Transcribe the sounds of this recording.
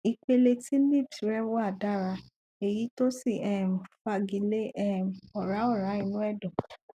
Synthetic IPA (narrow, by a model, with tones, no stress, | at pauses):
i˧k͡pe˧le˧tĩ˦li˦˨bsi˨˦ɾɛ˦wɔ˦a˦˨da˦˨ɾa˧ | e˨ji˨˦to˦si˦˨ɛ˦˨m̩˨fa˧˨ɡĩ˨˦le˦ɛ˦m˨ɔ˨ɾa˨˦ɔ˦˨ɾa˨˦ĩ˧˦nũ˦ɛ˦˨dɔ̃˨